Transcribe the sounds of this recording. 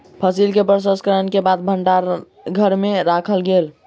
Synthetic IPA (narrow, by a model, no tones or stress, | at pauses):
pʰəsilkepɾəs̬əskəɾənkebad̪̚bʱəɳɖaɾ | ɡʱəɾmeɾakʰəlɡel